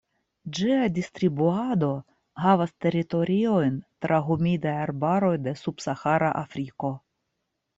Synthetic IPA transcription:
d͡ʒiadʲist̪ɾibuad̪o̞ | havast̪e̞ɾit̪o̞ɾʲio̞jnt̪ɾʔaɦumʲid̪ajaɾbaɾo̞jd̪e̞subsaxaɾaʔafɾiko̞

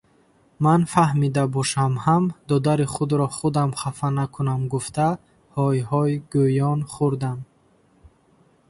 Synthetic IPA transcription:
manfahmid̪abɔʃamhamd̪ɔd̪aɾiχud̪ɾɔχud̪amχafanakʰunamɡuft̪ʰa | hɔjɦɔiɡujɔnχuɾd̪am

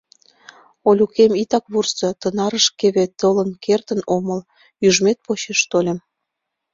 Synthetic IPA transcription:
olʲukemit̪ɑkβursɤ̆t̪ənɑɾəʃkeβet̪ɤlənkʰert̪ə̆noməl | jyʒmet̪̚pot͡ɕeʃt̪olʲem

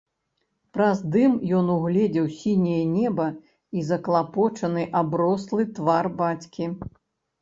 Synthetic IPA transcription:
pɾɐzd̪ɨmjɔnuɣlʲɛd͡zʲɛwsʲinʲɛjɛnʲɛbɐ | izɐklˠapɔt͡ʂɐnɨʔabɾɔslˠɨt̪varbat͡sʲkʲi

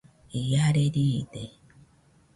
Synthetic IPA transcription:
ijaɾeɾide

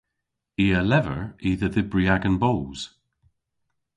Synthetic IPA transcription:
iːəlɛvə̰ɹiːðəðɪbɹiaɡə̃nboːz̥

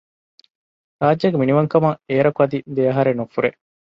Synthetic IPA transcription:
ɾaːd͡ʒɐɡeminiʋɐŋkɐmɐeːɾɐkuɐd̪id̪eɐɦɐɾenufuɾe

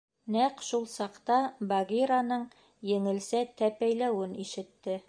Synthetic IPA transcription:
næqʃulˠsɑqt̪ɑbɑɡʲiɾanɤɴ | jɘ̆ŋɘ̆lsæt̪æpæjlæwɘniʃɘ̆t̪ːɘ

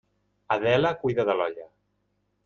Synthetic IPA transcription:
aðɛlakujðəðəlɔʎə

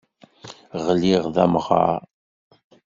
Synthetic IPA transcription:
ʁəlːiʁðæmʁɑ̰ɾ

